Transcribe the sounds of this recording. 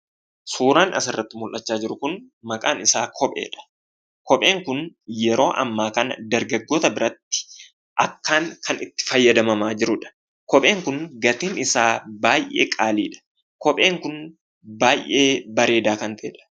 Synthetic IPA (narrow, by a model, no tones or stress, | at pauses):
suːɾaːnʔɐ̰sɪrːɐt̪ːɪmʊlʔɐt͡ʃːaːd͡ʒɪɾʊkʊn | mɐkʼa̰ːnɪsaːkʰɔpʼe̞̰ːᶑɐ̥ | kɔpʼe̞ːŋkʊnjɛɾo̞ːʔɐ̰mːaːkɐnɐd̪ɐɾɡɐɡːo̞ːt̪ɐbɪɾɐt̪ːɪ̥ | ʔɐkːaːŋkɐnɪt̪ːɪ̥fɐjːɐd̪ɐmɐmaːd͡ʒɪɾʊᶑɐ̥ | kɔpʼe̞ːŋkʊnɡɐt̪iːnɪsaːbaːjʔḛːkʼaːliːᶑɐ̥ | kɔpʼe̞ːŋkʊn | baːjʔeːbɐɾe̞ːd̪aːkɐnfeːᶑɐ̥